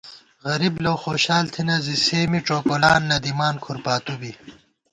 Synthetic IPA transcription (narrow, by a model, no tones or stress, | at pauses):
ɣɐɾiblowxoːɕaːlt̪ʰinɐziseːmiʈ͡ʂoːkolaːnːɐd̪imaːnkʰuɾpaːt̪ubi